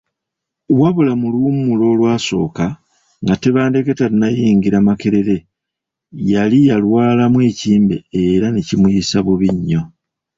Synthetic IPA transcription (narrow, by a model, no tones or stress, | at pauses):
βwaβulamuluumulo̞ːlwaːso̞ːka | ŋɡate̞βaːnde̞ketaɾinajiːŋɡiɾamakeɾe̞ɾe̞ | jalijalwaːlamwe̞ːciːmbe̞eɾanecimwisaβuβiɲːo̞